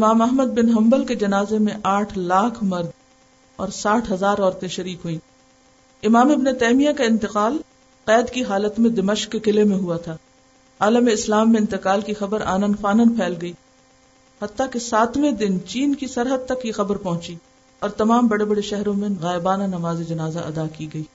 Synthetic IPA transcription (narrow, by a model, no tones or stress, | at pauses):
ɪmaːmɐɦməd̪̚bɪnɦɐ̃mbəlked͡ʒɐnaːzemẽʔaːʈʰlaːkʰmɐɾd̪ | ɔːɾsaːʈʰɦɐzaːɾɔːɾt̪ẽʃɐɾiːkɦuĩː | ɪmaːmɪbnet̪ɛːmijakaɪ̃nt̪ɪqaːl | qɛːd̪kiɦaːlət̪mẽd̪ɪməʃkːekɪlemẽɦuat̪ʰaː | aːləmeɪslaːmːẽɪ̃nt̪ɪqaːlkixɐbəɾa̰ːnənfaːnənpʰɛːlɡɐiː | hɐt̪ːakesaːt̪ʰwẽd̪ɪnt͡ʃiːnkisɐɾɦəd̪̚t̪ɐkjexɐbəɾpɐɦʊ̃t͡ʃi | ɔːɾt̪ɐmaːmbɐɽebɐɽeʃɛɦɾõmẽɣaːɪbaːnanɐmaːzed͡ʒɐnaːzaʔɐ̰d̪akiɡɐiː